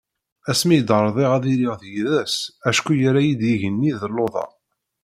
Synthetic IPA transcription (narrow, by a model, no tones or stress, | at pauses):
æsmijd̪əɾˤðˤeʁæðiɾiʁðjiðæsæʃkʷujæɾæjid̪jiʝənːiðəlːoðˤɑ̰